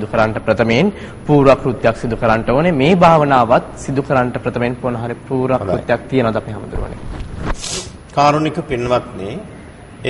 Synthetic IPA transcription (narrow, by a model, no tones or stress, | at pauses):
d̪ukəɾaɳʈəpɾɐt̪əmeen | puːɾʋakɾut̪ːjaksid̪ukəɾaɳʈəoːnemeːbʱaːʋənaːʋat̪sid̪ukəɾaɳʈəpɾət̪əmeenponəɦaɾipuːɾʋakɾut̪jak̚t̪ijənəʋad̪apiɦaməd̪uɾuʋə̰nḛ | kaːɾonikəpinːʋat̪ne